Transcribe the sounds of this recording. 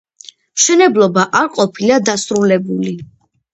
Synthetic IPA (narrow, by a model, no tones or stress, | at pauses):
mʃɛnɛblˠɔbaʔaɾqʼɔpʰilad̪asɾulɛbuli